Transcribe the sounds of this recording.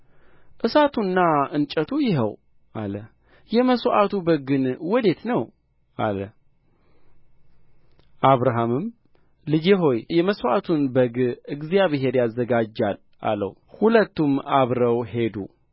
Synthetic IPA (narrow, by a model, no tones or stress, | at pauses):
ʔɨsat̪ʰunːaɨnt͡ʃʼət̪ʰujɪɦəw | ʔalə | jɛməsoʔat̪ʰubəɡɨnwɔd̪e̞t̪nəw | ʔa̰lə | ʔaβɾaɦamɨm | lɨd͡ʒeɦo̞jjɛməswʔat̪ʰunbəɡɨɡzijaβeɦe̞ɾjazːəɡad͡ʒːal | ʔa̰lə̰h | hulət̪ːumaβɾəwhe̞d̪ṵ